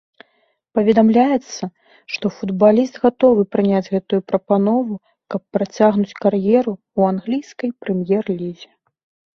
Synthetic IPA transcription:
pɐvʲɛd̪amlʲajɛt̪sːɐ | ʂt̪ɔfud̪balʲist̪ɣat̪ɔvɨpɾɨnʲad͡zʲɣɛt̪ujupɾɐpanɔvu | kɐpːɾat͡sʲaɣnut͡sʲkarjɛɾu | uanɣlʲijskɐjpɾɛmjɛrlʲizʲɛ

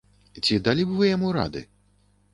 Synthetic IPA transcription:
t͡sʲid̪alʲibɨvɨjamuɾa̰d̪ɨ̰

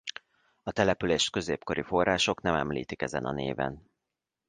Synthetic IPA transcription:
ɒt̪ɛlɛpyleːʃt̪kø̞zeːpko̞ɾifo̞rːaːʃo̞knɛmɛmlḭːt̪ikɛzɛ̰nɒ̰nḛːvɛ̰n

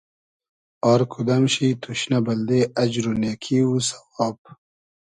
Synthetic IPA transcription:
aːɾkʰud̪ɐmɕit̪ʰuɕnabɐld̪eɐd͡ʑɾunekʰiusɐ̥waːb̚

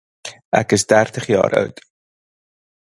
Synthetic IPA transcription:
ʔækəsdærtəχjɑ̰ːɾʔœ̰wt

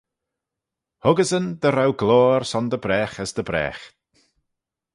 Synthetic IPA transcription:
hʊɡəzənd̪əɾawɡloːɾsɔnd̪əbɾɛːxəsd̪əbɾɛ̰ːxt̪

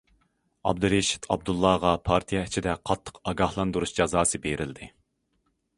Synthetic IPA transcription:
ɑ̰b̚d̪uɾeʃi̥t̪ʰɑb̚d̪ulˠːɑʁɑpʰɑɾt̪ʰijɛt͡ʃʰid̪ɛqʰɑt̪ʰːə̥qɑɡɑhlˠɑnd̪uɾuʃd͡ʒɑzɑːsɨbeɾʔɪld̪ɪ

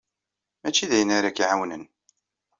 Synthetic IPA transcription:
æt͡ʃːiðæjənaɾakiʕawnən

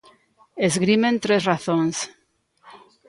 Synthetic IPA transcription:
ezɣɾimẽnt̪ɾezraθõŋs

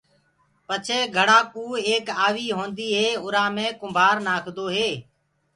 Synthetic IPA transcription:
pət͡ʃʰeːɡʱəɽãːkuːeːkaːʋiːɦõːnd̪iːɦeːʊɾãːmẽːkʊmbʱaːɾnaːkʰd̪oːɦeː

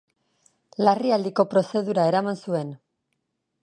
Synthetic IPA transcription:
lariald̪iko̞pɾo̞se̞ðuɾae̞ɾamansue̞n

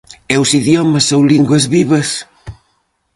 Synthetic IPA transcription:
ɛwsiðjɔmɐsːowliŋɡwɐzβiβɐs

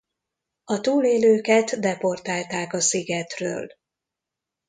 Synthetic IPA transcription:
ɒt̪uːleːløːkɛt̪d̪ɛpo̞rt̪aːlt̪aːkɒsiɡɛt̪rø̰ːl

